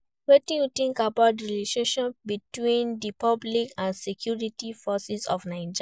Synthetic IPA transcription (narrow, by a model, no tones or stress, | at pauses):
wetĩjutĩŋkabat̚diliʃeʃɔ̃nbitwĩndipɔblikãnsekʰjuɹitifɔsisɔ̰fnaɪd͡ʒ